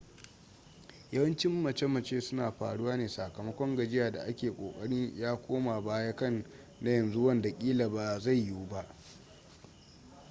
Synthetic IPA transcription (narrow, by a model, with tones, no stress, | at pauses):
jɐ˦wɐ˦nt͡ʃɪ˦mːɐ˨t͡ʃe˦mɐ˨t͡ʃeː˦sʊ˦naː˨ɸa̰ː˨ɽʊ˦waː˦neː˨sa˨kɐ˨mɐ˦kʷɔ˦ŋɡɐ˨d͡ʒɪ˦jaː˨da̰˨ʔa˦kʲeː˨kʷʼoː˨kʼɐ˦ɽɪ˦ɲjaː˦kʷoː˦ma˨baː˦ja˦kɐ˦˨n | na˦jɐ˨nzu˦wɐ˦nda˨kʲʼiː˦la˨ba˨za˦˨jːuː˦ba˦ʔ